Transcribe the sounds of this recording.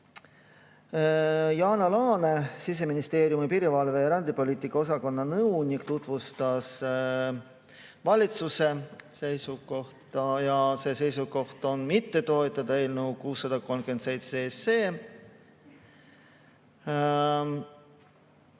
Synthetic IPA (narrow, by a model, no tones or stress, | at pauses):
jɑːnɑlɑːne̞sis̬e̞minist̪e̞ːɾjumipiɾivɑlve̞jɑɾɑnd̪ipo̞lʲiːt̪ːˑikːˑɑo̞sɑko̞nːɑnɤwnʲikt̪ut̪ˑvust̪ɑs | vɑlʲit̪suse̞se̞jsuko̞ht̪ɑjɑse̞ːse̞jsuko̞ht̪o̞nmit̪ːe̞t̪o̞et̪ːˑɑd̪̥ɑe̞ːlnukuːsːɑd̪̥ɑko̞lmɡ̥yense̞jt̪sese̞ː